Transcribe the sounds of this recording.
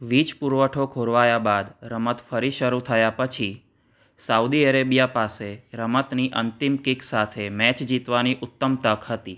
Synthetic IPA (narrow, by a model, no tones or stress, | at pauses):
ʋit͡ʃpuɾʋəʈʰokʰoɾʋajabad̪ɾəmət̪fəɾiʃəɾut̪ʰəjapət͡ʃʰi | saud̪iəɾebijapaseɾəmət̪niʔənt̪imkiksat̪ʰemɛt͡ʃd͡ʒit̪ʋaniʔʊt̪ːəmt̪əkʰɦət̪i